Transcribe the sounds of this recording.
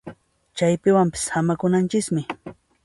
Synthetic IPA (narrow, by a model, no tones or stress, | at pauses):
t͡ʃajpɪwampɪ̥sxamakʊnant͡ʃɪkmɪ